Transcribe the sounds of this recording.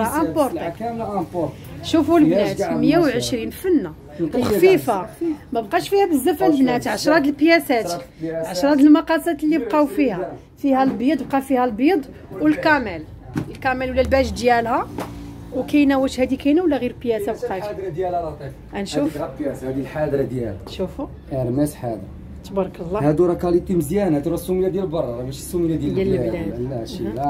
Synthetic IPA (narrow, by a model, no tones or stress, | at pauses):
ʔæ̃poɾt̪ɑ | ʃufulbnæt̪məjːawʕəʃɾinfənːa | wxfifamæbqɑʃfihæbəzːæfælbnæt̪ʕaʃɾˤɑt̪əlpjæsæt̪ʕaʃɾˤɑt̪əlmɑqɑsæt̪lːib̚qɑufihæ | fihælbid̪ˤb̚qɑfihælbid̪ˤ | wəlkæmæl | əlkæmælwlːælbæʒd̪jælhæ | wkæjnæwəʃhæd̪ikæjnæwlːæɣiɾpjæsabqɑʃɾd̪ælˤ | ʔænʃufsd̪ilħad̪ɾd̪jælʃufu | ʔəɾˤmæsħad̪ɾ | t̪bɑɾˤkəlˤːɑhæd̪uɾˤɑkɑlit̪ːimzjænæt̪ɾˤɑsːumijːæd̪jælbɑɾˤɑdˤbæʃisːumijæd̪jædljææd̪lːæʃiæ